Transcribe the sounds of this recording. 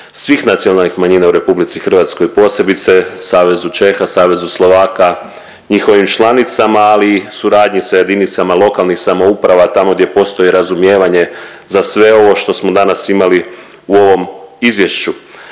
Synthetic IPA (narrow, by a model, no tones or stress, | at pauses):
sʋixnat̪sio̞nalnixmaɲiːnauɾe̞publit̪sixr̩ʋat̪sko̞jpo̞se̞bit̪se̞saːʋe̞zut͡ʃe̞xasaːʋe̞zuslˠo̞ʋaːka | ɲixo̞ʋimt͡ʃlˠanit̪samaːliːsuɾaːd̪ɲisaje̞d̪init̪samalˠo̞kalˠnixsamo̞upɾaʋat̪amo̞ɡd̪je̞po̞st̪o̞jiɾazumje̞ːʋaɲe̞ | zasʋe̞o̞ʋo̞ʃt̪o̞smo̞d̪anasimali | uo̞ʋo̞mizʋje̞ʃt͡ɕu